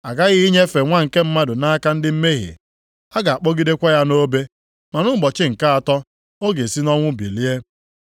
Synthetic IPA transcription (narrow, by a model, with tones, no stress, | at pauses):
a˨ɡa˦ɣɪ˦i˦ɲe˦fe˨ŋʷa˦ŋ̩˨ke˦m̩˦ma˦dʊ˨na˦ka˦n̩˦dɪ˦m̩˦me˦ɦḭ˨ | a˦ɡa˨a˨k͡pɔ˦ɡi˦de˦kʷa˦ja˦no˦be˦ | ma˨nʊ˦ɡ͡bɔ˨t͡ʃɪ˦ŋ̩˨ka˦a˨tɔ˦ | o˦ɡe˨si˦nɔ˦ŋʷʊ˦bḭ˨li˦e˦